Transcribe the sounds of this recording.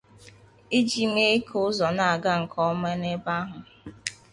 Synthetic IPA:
i˦d͡ʒi˨˦me˦kʊ˦zɔ˨na˨a˨ɡa˦ŋ̩˨kʰɔ˦me˦ne˦ba˦ɦʊ˨

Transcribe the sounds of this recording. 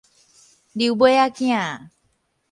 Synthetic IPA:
diubo˦ja˦kĩ˦a˨

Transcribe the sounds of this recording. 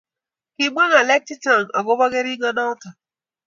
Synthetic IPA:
ki˨ɡ͡bɔ˦ŋa˨le˦k̚ti˦ta˨ŋ˨ɔ̰˨ɡʊ˦bɔ˦ɡe˦ɾi˦ɡa˦nɔ˦ta˨

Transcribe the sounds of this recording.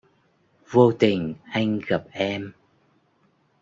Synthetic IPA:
vo˧t̪ï˨˩ŋ̟ʔa˧jŋ̟ɣa˨˩p̚ʔɛ˧m

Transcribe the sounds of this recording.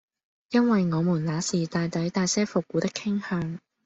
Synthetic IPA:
jɐ˥nwɐ˨jŋɔː˨˧muː˨˩nlaː˨˧˥siː˨˩t̪aː˨jt̪ɐ˨˥jt̪aː˨jsɛː˥fʊ˨k̚ːuː˨˥t̪ɪ˥kʰːɪ˥ŋhœː˧ŋ

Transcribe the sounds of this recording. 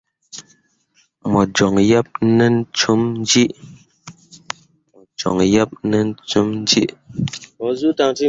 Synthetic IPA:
mɔ˨d͡ʒɔ˨ŋjɛ˦p̚nə˦n˦t͡ʃu˦mn̩˦d͡ʒi˦ʔ | d͡ʒɔ̰˨ŋjɛ˦p̚nə˦n̩˦t͡su˦mn̩˦d͡ʒi˦ʔmɔ˨zu˦ta˨ŋti˦

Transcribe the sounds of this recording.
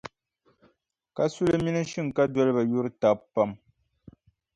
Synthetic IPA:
ka˦su˦lɨ˦mi˦nɨ˦ʃɨ˦ŋ̩˨ka˦dɔ˦lɨ˦ba˨jo˦ɾɨ˦ta˨bpa˦m

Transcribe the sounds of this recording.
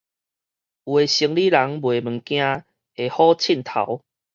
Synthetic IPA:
u˨e˨˩ɕi˧˦ŋli˦la˨˦ŋbwe˨mə˨˩kj̃ã˦ | e˨hɔ˦t͡ɕʰi˥˨nt̪ʰa̰˨˦w

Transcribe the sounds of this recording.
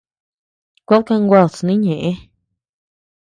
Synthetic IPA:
kʷa˦lka˧ŋɡʷa˧˨t͡snĩ˦ɲẽ˨ʔe˦

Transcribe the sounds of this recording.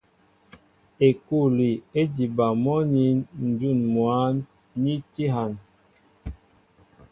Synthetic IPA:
e˨ku˦˨li˨e˦di˨ba˨mɔ˦ni˨˦nn̩˨d͡ʒu˦˨nmwa˨˦nː | i˦ti˦ɦa˨n

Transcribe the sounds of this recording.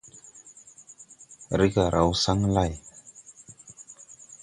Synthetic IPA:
ɾi˦ɡa˨ɾʔa˨wsa˦ŋla˦˨j

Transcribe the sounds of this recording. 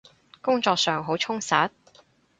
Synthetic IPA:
kʊ˥ŋt͡ʃɔː˧k̚sœː˨˧ŋɦo˨˥wt͡ʃʰʊ˥ŋsaː˨˥t̚

